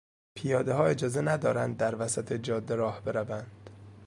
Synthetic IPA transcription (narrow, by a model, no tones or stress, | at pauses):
pʰijɒːd̪eɦɒːe̞d͡ʒɒːze̞næd̪ɒːɾænd̪̚ːæɾvæsæt̪ʰed͡ʒɒːd̪ːeɾɒːhbe̞ɾævænd̪̥